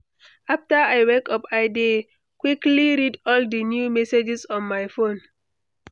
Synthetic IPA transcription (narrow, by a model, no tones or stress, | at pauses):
ʔaftəajwɛkʌpaɪde | kwikliɹidɔldənjumɛsed͡ʒisɔ̃nmajfõn